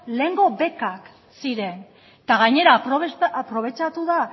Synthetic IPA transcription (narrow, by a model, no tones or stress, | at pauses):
le̞ːŋɡo̞βe̞kak | siɾe̞n | t̪aɣaɲe̞ɾaoapɾo̞β̞e̞t͡ʃat̪uða